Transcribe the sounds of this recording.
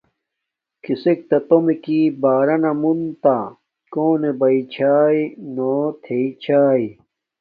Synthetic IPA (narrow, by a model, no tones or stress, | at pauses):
kisek̚t̪ɐt̪omekiːbaːɾɐnɐmunt̪a | koːnebɐit͡ɕʰaːinoːt̪ʰeit͡ɕʰaːi